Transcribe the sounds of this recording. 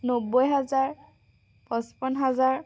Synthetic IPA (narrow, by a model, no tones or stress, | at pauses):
nobojɦazaɹ | pɔ̃spɔnɦazaɹ